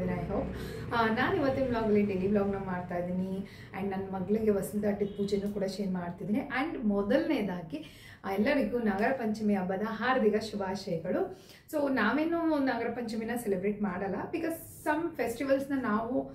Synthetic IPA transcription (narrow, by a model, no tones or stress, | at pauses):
inɐjɦoːpnaːniʋɐt̪ːuimlaːɡɐlenɖiliːʋlɔːɡnɐmaːɽt̪aːjid̪iːni | ɛ̰ɳɖnɐnːɐmɐɡɐɭiɡeʋɐsuld̪aːʈːipuːd͡ʒenukuːɽɐʃeːnmaːɽt̪id̪iːniʔɐɳɖmɔd̪ɐlneːd̪aːki | aɛlːɐɾiɡunɐɡɐɾɐpɐɲt͡ʃɐmiɐbːɐd̪ɐɦaːɾd̪ʱiɡɐʃubʱaːʃeːkɐɽu | soːnaːʋeːnunɐɡɐɾɐpɐɲt͡ʃɐminɐselibɾeːʈmaːɽɐlːɐbikɐːzːɐmpʰesʈiʋɐlsnɐnaːʋu